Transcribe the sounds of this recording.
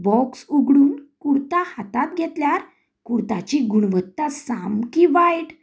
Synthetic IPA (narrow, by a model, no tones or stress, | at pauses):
bɔksuɡɽuːnkuɽt̪ahat̪at̪̚ɡʱɛt̪ljaɾ | kuɽt̪at͡ɕiɡuɽʋət̪ːasamkiʋajʈ